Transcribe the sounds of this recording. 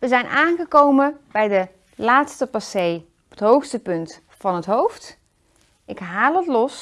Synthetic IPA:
ʋəzɛjnʔaːnχəkowməbɛjdə | laːtstəpasej | ɔpətɦowχstəpɵnt | fɑnɦətɦowft | ɪkɦaːlˠətlɔs

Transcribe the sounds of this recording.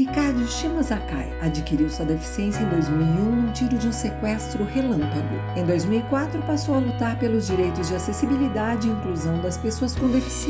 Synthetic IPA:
ikaɾd͡ʒ̪ʊʃimozaka̰jad͡ʒikiɾiwsuɐd̪efi̥siẽsjɐẽd̪ojzmiwiũnʊ̃t͡ʃiɾʊd͡ʒɪũsekwɛst̪ɾʊhelɐ̃mpɐɡʊ̰ | ẽj̃d̪ojzmiwikwat̪ɾʊpasowɐlut̪aɾpelʊzd͡ʒiɾejt̪ʊzd͡ʒɪasesibilid̪ad͡ʒɪiĩŋkluzɐ̃w̃d̪ɐspesoɐskõd̪efi̥s

